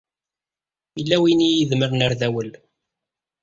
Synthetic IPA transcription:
ilːæwinijiðməɾnəɾðæwəl

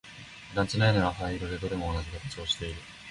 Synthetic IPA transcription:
d̪ãɲt͡ɕinaineɾaɸaiɾo̞d̪e̞d̪o̞d̪e̞mo̞ːnaʑikat̪ḁt͡ɕio̞ɕi̥t̪e̞iɾɯ̟

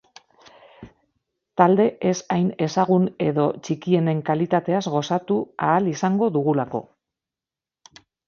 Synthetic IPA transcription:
t̪ald̪e̞ʔesajne̞saɣ̞une̞ðo̞t͡ʃikie̞ne̞ŋkalit̪at̪e̞azɣo̞sat̪uaːlisaŋɡo̞ðuɣulako̞̰

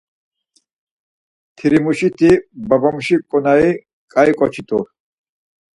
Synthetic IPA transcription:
t̪ʰiɾimuʃit̪ʰibabamuʃikʼɔnai | kʼaikʼɔt͡ʃʰit̪ʰʼu

